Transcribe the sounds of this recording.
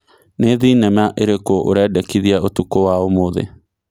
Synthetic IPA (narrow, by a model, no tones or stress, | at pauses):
neðiːnɛmaʔeɾekoʔo̰ɾɛːdɛkiðiaotukowaomoðḛ